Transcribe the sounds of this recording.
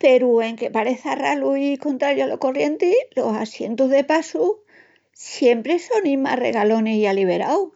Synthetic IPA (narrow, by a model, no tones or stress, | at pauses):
pe̞ɾue̞ŋke̞paɾe̞θaraluiko̞nt̪ɾaɾjoalo̞ko̞rje̞nt̪ilo̞sasje̞nt̪uɦðe̞pasu | sje̞mpɾe̞so̞nima̰re̞̰ɣalo̞neialiβ̞e̞ɾaw